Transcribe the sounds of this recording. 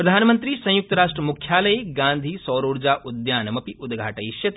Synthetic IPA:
pɾɐd̪ʱaːnmɐ̃nt̪ɾiːsɐ̃juk̚t̪ɐɾaːʂʈɾɐmukʰjaːlɐjeɡãːnd̪ʱiːsɔːɾoːɾd͡ʒaːʔud̪jaːnɐmɐpiʔud̪ɡʱaːʈɐjʃjɐt̪

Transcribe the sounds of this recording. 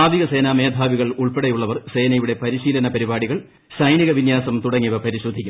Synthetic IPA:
aːd̪ʱiɣɐse̞ːnaːme̞ːd̪ʱaːʋiɣɐɭuɭpeɽɐjuɭːɐʋɐrse̞ːnɐjuɽe̞pɐɾiɕiːlɐnɐpɐɾibaːɽiɣɐɭ | sɐjniɣɐʋinjaːsɐmt̪uɽɐŋːiʋɐpɐɾiɕod̪ʱːikʲːum

